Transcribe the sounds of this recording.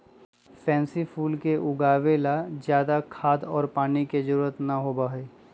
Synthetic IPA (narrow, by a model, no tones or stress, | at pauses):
pʰɛ̃ːnsipʰuːlkeʔʊɡaːʋelazjaːd̪akʰaːd̪ɔːɾpaːniked͡ʒəɾuːɾət̪nɐɦoːbaɦeː